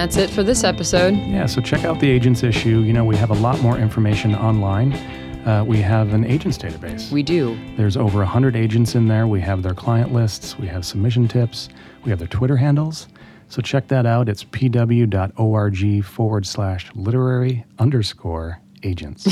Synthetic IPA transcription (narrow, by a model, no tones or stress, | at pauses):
ætsɨtfə˞ðɪsɛpɨsoʊd̥̚jæsoʊt͡ʃʰɛkaʊt̪̚ðieɪd͡ʒɨ̃ntsɪʃʉjɨñoʊwiɨvəlɔt̚mɔɹʔɪ̃ɱfə˞meɪʃɨ̃nɑ̃nlãɪ̃n | wiəvɨ̃nḛɪd͡ʒɨ̃ntsd̥eɪɾɨbeɪswidʉðə˞zoʊvə˞əhʌ̃ndɹɨɾeɪd͡ʒɨ̃n̩tsɨ̃nðə˞wiɨvðə˞kʰl̥aɪɨ̃nʔlɪstswiɨv̥səb̚mɪʃ̬n̩tʰɪps | wiɨvðə˞tʰw̥ɪɾə˞ɦæ̃ndˡl̩ˠz̥ | soʊt͡ʃʰɛk̚ðɨɾaʊɾɨtspʰidʌbl̩ˠjʉdɑɾoʊɑɹd͡ʒifɔɹwə˞d̥slæʃlɪɾə˞ɛɹiʌ̃ndə˞skʰɔɹ | eɪd͡ʒɨ̰̃nts